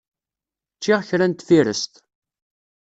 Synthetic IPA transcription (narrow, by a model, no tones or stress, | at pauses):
t͡ʃːɪʁçɾænt̪ːfiɾə̰st̪